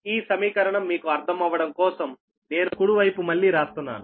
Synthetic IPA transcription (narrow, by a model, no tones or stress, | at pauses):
iːsɐmiːkɐɾɐɳɐmːiːkuɐɾd̪ʰʱɐmɐʋːɐɽɐmkɔːsɐm | ne̞ːnukuɽuʋɐjpumɐɭːiːɾaːst̪unːa̰ːnu